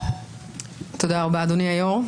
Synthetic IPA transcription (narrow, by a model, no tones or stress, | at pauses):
t̪od̪aːʁbaːd̪oniajoʁ